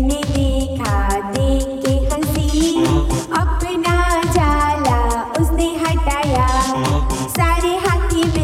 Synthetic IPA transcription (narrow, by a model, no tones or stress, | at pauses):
ned̪ekʰad̪ekːekə̃nt̪i | ɐk̚pinad͡ʒala | ʊsd̪eɦat̪aja | saɾeɦat̪ib